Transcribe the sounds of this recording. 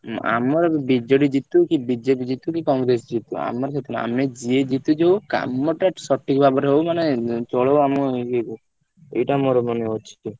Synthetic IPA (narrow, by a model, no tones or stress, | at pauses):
a̰mɔɾɔbid͡ʒɔɽid͡ʒit̪ukibid͡ʒepid͡ʒit̪ukikɔŋɡɾes̬d͡ʒit̪ua̰mɔɾt͡ʃʰet̪unaa̰med͡ʒied͡ʒit̪ud͡ʒewka̰mɔʈasɔʈʰːikbʱabɔɾɦowmanet͡ʃɔɭowamɔɡeku | ḛjʈamoɾɔmɔneot͡ʃʰi̥ki